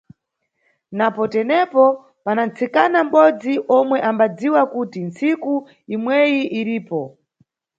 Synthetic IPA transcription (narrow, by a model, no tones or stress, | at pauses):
napɔtɛnɛpɔ | panant͡sʰikanam̩ɓɔd͡ziʔɔmwɛʔambad͡ziwakutinsiku | imwɛjiʔiɾiːpɔ